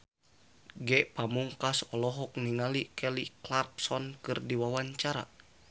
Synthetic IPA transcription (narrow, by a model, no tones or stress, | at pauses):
ɡɛʔpamuŋkasɔlɔɦɔk̚niŋalikɛliklarpsɔnkɨrdiwawaɲt͡ʃaɾa̰